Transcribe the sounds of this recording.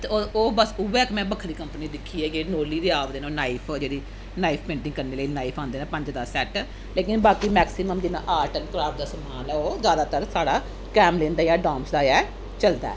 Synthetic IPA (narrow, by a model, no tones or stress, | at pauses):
t̪eooːbəsʊʋɛːkmɛ̃ːbəkʰɾiːkəmpniːd̪ɪkʰːiːɛːd͡ʒeːnoːliːd̪eaːʋd̪eːnãːnaːipʰd͡ʒeːɽiː | naːipʰpẽːɳʈɪ̃ŋɡkəɾneːləinaːipʰãːnd̪eːnãːpəɲd͡ʒd̪aːsɛːʈ | leːkɪnbaːkiːmɛːksɪməmd͡ʒ̪ɪna̰ːʔaːɾʈənkɾaːp̚d̪aːsəmaːlɛːoːzjaːd̪aːt̪əɾsaːɽaː | kɛːmleːnd̪aːjaːɖãːmsd̪aːɛː | t͡ʃəld̪a̰ːɛ